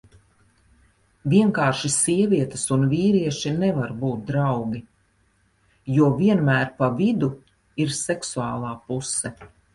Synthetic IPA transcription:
viɛŋkaːɾʃisiɛvʲiɛt̪əsunviːɾiɛʃinɛvaɾbuːt̪̚d̪ɾawɡʲi | juɔviɛnmæːɾpavid̪u | iɾsɛksua̰ːlˠaːpusɛ

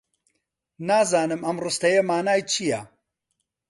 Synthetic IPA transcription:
naːzaːnɨmɐmrɨst̪ɐjɐmaːnaːjt͡ʃʰijɐ

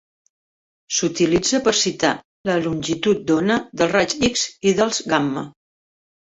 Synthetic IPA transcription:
sut̪ilid͡zəpəɾsit̪a̰ | ləlunʲʒit̪ut̪̚d̪onəðəlˠrat͡ʃikziðəlˠzɣamːə̰

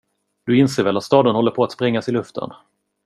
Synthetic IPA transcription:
d̪̥ɵɪnseːɾvɛlat̪st̪ɑːd̪ənhɔlːəɾpʰɔat̪spɾɛŋːasɪlɵft̪ʰə̰n

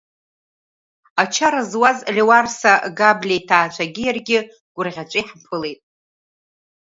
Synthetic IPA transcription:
at͡ʃʰaɾazwazlʲewarsaɡablʲejtʰaːt͡ʃʷʰaɡʲɪjarɡʲɪ | ɡ̥ʷʊrʁʲat͡ʃʷʼijħpʰɨle̞jtʼ

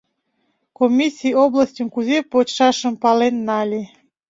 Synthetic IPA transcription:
komʲisʲioblasʲtʲumkuzepotʃɑʃə̆mpɑlenːɑlʲi

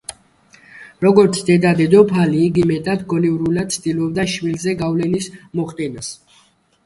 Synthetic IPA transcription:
ɾɔɡɔɾt̪sʰd̪ɛd̪ad̪ɛd̪ɔpʰaliːɡimɛd̪ad̪ɡɔniuɾulad̪̥̚sʰt̪ʼilɔbd̪aʃmilzɛɡavlɛnismɔχt̪ʼɛnas

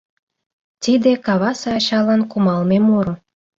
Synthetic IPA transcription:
t̪id̪ekɑβɑsɑɑɕɑlɑnkumɑlmemoɾŏ

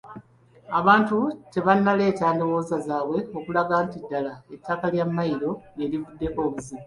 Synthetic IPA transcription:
aβaːntuce̞βanːale̞ːcaːndo̞wo̞ːzazaːβwe̞o̞kulaɡaːntidːalaetʰːakaljamːaiɾo̞elivudːe̞ko̞ːβuzi

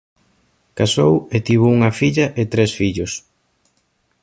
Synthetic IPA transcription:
kasowet̪iβ̞ouŋɐfiʎɐʔet̪ɾesfiʎos

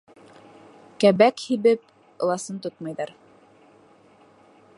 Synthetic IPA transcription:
kæβækhiβɘp̚ | ɤ̆lˠɑsɤnt̪ot̪mɑjðɑɾ

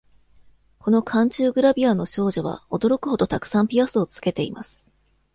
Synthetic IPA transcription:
ko̞no̞kʰãɲ̟t͡ɕɨːɡɯ̟ɾabʲiano̞ɕo̞ːʑo̞β̞a̰o̞d̪o̞ɾo̞kɯ̟ho̞d̪o̞t̪akɯ̟̥sãmpʲiasɨo̞t͡sɨ̥ke̞t̪e̞ḭma̰sɨ̥

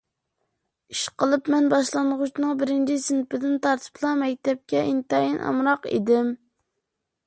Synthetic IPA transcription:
iʃqəlˠɨpmɛnbɑʃlˠɑnʁut͡ʃʰnɨŋbɪɾɪnt͡ʃʰɪsɨnpɪd̪ɪnt̪ʰɑɾt̪ʰɨ̥pʰlˠɑmɛk̚ʲt̪ʰɛp̚kʲɛʔint̪ɑjinʔɑ̰mɾɑqḛd̪ɪm

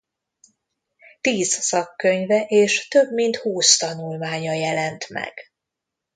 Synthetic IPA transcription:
t̪iːzsɒkːøɲvɛʔeːʃt̪ø̞bmint̪huːst̪ɒnulmaːɲɒjɛlɛnt̪mɛ̰ɡ̥

